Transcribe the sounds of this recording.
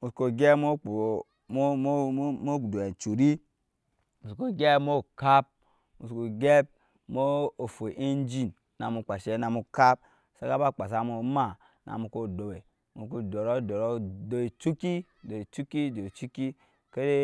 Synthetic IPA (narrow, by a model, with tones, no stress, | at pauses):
u˨sko˨ɡʲe˦mo˦o˨˦ | mo˦˨do˨e˨n˨t͡ʃu˨ɾi˦ | u˨sko˨ɡʲe˦mo˦ka˦p̚ | mu˨sko˨ɡe˦b̚ | mo˦o˨fo˨ʔe˦n˦d͡ʒi˦˨n | na˨mu˨k͡pa˨ʃe˦na˨mu˨ka˦p̚ | sa˦ka˦ba˦˨k͡pa˨s̬a˨mu˨˦ma˦˨ | nʔa̰˨mu˨ko˦do˨we˨ | mu˨ku˦do˨ɾo˦˨do˨ɾo˦do˨e˨t͡ʃu˦ki˦˨do˨e˨t͡ʃu˦ki˦˨do˨e˨t͡ʃu˦ki˦ | ke˦ɾe˦